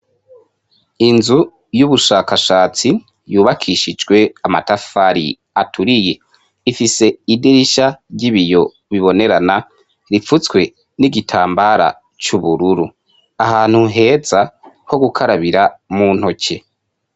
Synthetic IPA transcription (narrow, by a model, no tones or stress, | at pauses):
inzu | juβuʃaːkaʃaːt͡si | juːβakʰiʃid͡ʒɡwe̞ama̰tafaɾḭ | atʰuɾije̞ | ifise̞idiɾiʃaɟiβijo̞ | βiβo̞ne̞ɾana | ɾifut͡skwe̞ | niɡitʰaːmbaɾa̰ | t͡ʃuβuɾuɾu | ahaːn̥huɦe̞ːza | ho̞ɡukʰaɾaβiɾamuːn̥ho̞ce̞